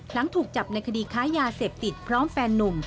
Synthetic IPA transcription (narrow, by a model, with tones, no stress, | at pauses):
la˩˦ŋt̪ʰuː˨˩k̚t͡ɕa˨˩p̚na˧jkʰa˧diː˧kʰaː˦˥jaː˧seː˨˩p̚t̪i˨˩t̪̚pʰɾɔː˦˥mfɛː˧nːu˧m